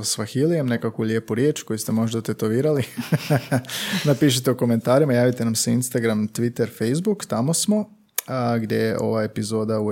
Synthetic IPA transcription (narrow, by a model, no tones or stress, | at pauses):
sʋaxilijemne̞kakulʲjeːpuɾje̞ːt͡ʃko̞just̪e̞mo̞ʒd̪at̪e̞t̪o̞ʋiːɾali | napiːʃ̬et̪eoko̞me̞nt̪aːɾimajaːʋit̪e̞namseinst̪aɡɾamt̪ʋit̪eɾfe̞jzbukt̪amo̞smo̞ | ɡd̪je̞̰jḛʔo̞̰ʋae̞pizo̞ːd̪au